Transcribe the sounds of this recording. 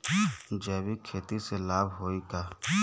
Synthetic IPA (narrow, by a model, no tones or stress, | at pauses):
d͡ʒɛːbikʰeːt̪iselaːbɦoːikaː